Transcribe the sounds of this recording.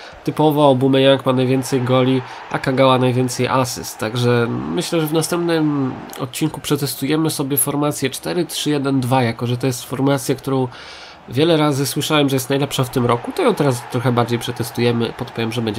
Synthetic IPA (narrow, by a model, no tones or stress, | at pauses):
t̪ɘpɔvaɔbumɛjaŋkmanajvʲɛnt̪sɛjɡɔlʲi | ʔa̰kaɡawanajvʲɛnt̪sɛjʔa̰sɘ̰st̪ːaɡʐɛmɘɕlɛʐɛvnast̪ɛmpnɘm | ɔ̰t̪̚t͡ɕiŋkupʂɛt̪ɛst̪ujɛmɘsɔbʲjɛfɔɾmat̪sʲjɛt͡ʂt̪ɛɾɘtʂɘjɛd̪ɛnd̪vajakɔʐɛt̪ɔjɛst̪fɔɾmat̪sʲjak̚t̪uɾɔ̃w̃ | vʲjɛlɛɾazɘswɘʂawɛmʐɛjɛst̪najlɛpʂɔ̃ft̪ɘmɾɔkut̪ɔjɔ̃w̃t̪ɛɾast̪ɾɔxɛbaɾd͡ʑejpʂɛt̪ɛst̪ujɛmɘpɔt̪̚pɔvʲjɛmʐɛbɛɲd͡ʑɛ